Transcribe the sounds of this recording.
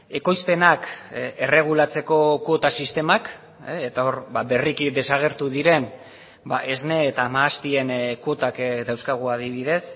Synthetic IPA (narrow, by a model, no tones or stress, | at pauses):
e̞ko̞jspe̞nake̞re̞ɣ̞ulat͡se̞ko̞ko̞t̪asist̪e̞mak | et̪ao̞ɾbaβe̞rikid̪e̞saɣ̞e̞ɾt̪uðiɾe̞n | baʔe̞zne̞ːt̪aːmaːst̪ie̞nko̞t̪akd̪awskaɣ̞uað̞iβ̞iðe̞s